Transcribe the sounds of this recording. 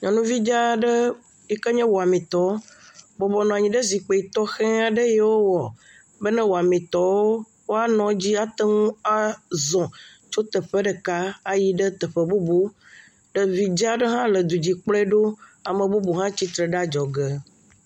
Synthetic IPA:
ɲɔ̃˨nũ˦vi˦d͡ʒa˦ɖə˦ | i˦kə˦ɲɛ̃˦wo˨a˨mĩ˨t̪ɔ˦bɔ˨bɔ˨nɔ̃˨a˨ɲĩ˨ɖə˦zi˨k͡pe˨i˨t̪ɔ˦xɛ̃˦a˨ɖə˦jɛ˦wo˦wɔ˨ | bə˦nɛ̃˦wo˨a˨mĩ˨t̪ɔ˦wo˦ | wo˦a˦nɔ̃˦d͡ʑi˦a˦t̪ə˦ŋũ˦a˦zɔ̃˨ | t͡ʃo˦t̪ə˨ɸə˦ɖə˨ka˦a˦ji˦ɖə˦t̪ə˨ɸə˨bu˦bu˦ | ɖə˨vi˨d͡ʒa˦ɖə˦ɦã˦lə˨d̪u˨d͡ʑi˨k͡plɛ˦ɖo˦a˨mə̃˨bu˦bu˨ɦã˦t͡ɕi˦t̪ɾə˨ɖa˦d͡ʒɔ˨ɡə˦

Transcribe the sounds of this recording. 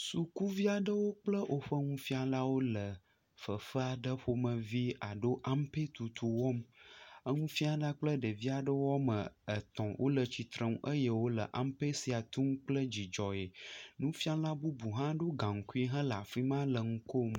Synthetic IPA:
su˨ku˦vi˦a˨ɖə˦wo˦k͡plə˦ʔo˨ɸə˦ŋũ˦fi˦a˨la˦wo˦lə˨ | fə˨fə˦a˨ɖə˦ɸo˦mə̃˨vi˦a˨ɖo˦ʔa˦m˦pe˦t̪u˨t̪ʰu˨wɔ˦mə˦ŋũ˦fi˦a˨ɖa˦k͡plə˦ɖə˨vi˦a˨ɖə˦wɔ˦mə̃˨ə˨t̪ɔ̃˨wʔo̰˦lə˨t͡ɕi˨t̪ɾə˦ŋ̃˦ʔə˦je˦wo˦lə̰˨ʔa˦m˦pe˦si˨a˨t̪ũ˦m˦k͡plə˦d͡ʑi˨d͡ʒɔ˨je˨nũ˦fi˦a˦la˦bu˦bu˨ɦã˦ɖo˦ɡã˨ŋ̩˨ku˦i˦ɦã˦la˨fɾi˦mã˦lə˨ŋũ˦ko˦m˨

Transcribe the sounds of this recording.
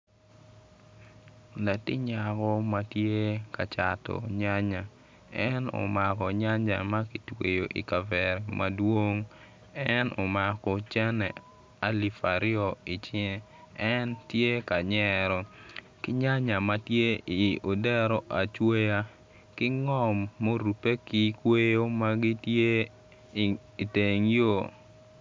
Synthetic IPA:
la˨tɪ˦ɲa˨kɔ˦ma˦tje˦ka˨t͡ʃa˨tɔ̰˨ɲa˦ɲa˨ | ɛ˦no̰˨ma˨kɔ˨ɲa˦ɲa̰˨ma˦ki˨twe˨jo˨ʔḭ˨ka˨vɛ˨ɾɛ˨mʔa˦dwo˦ŋ | ɛ˦no˨ma˨kɔ˨t͡ʃɛ˦nɛ̰˨ | a˨li˨fa˨ɾɪ˦o˨i˨t͡ʃ | ɛ˦ntje˦ka˨ɲɛ˦ɾɔ˨ | kɪ˦ɲa˦ɲa˨ma˦tje˦i˨o˨dɛ˦ɾɔ˨ʔa˨t͡ʃwe˦ja˦ | kɪ˦ŋɔ˦mːo˦ɾu˨pe˦ki˦kwe˦jo˦ma˦ɡi˦tje˦ | i˨te˨ŋjo˦˨

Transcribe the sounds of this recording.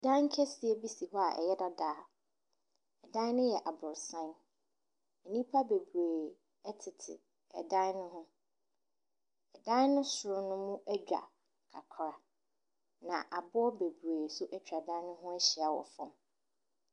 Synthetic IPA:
dã˦ŋ˦kʰɛ˦sɪ˨ɛ˦bi˦si˨ɦɔ˦a˨ʔɛ̰˨jɛ˦da˦daː˨˦ | ɛ˨dã˦nʊ̃˦jɛ˨ʔa˨bʊ˨ɾsã˦n | ɛ˨nĩ˦pʰa˦be˨bɾeː˨ | ɛ˦tʰɪ˨tʰɪ̰˨ | ɛ˨dã˦nnʊ̃˦ɦʊ̃˦ | ɛ˨dã˦nʊ̃˦sʊ˨ɾʊ˦nʊ̃˦mũ˦ʔɛ˦d͡ʑᶣa̰˨ | kʰa˨kʰɾa˨ | nã˨ʔa˨bʊ˦ɔ˦be˨bu˨ɾeː˨sʊ˦ʔɛ˦t͡ɕᶣa˨dã˦nʊ̃˦ɦʊ̃˦ɛ˦ɕɪ˨a˨wɔ̰˨fɔ̃˦m

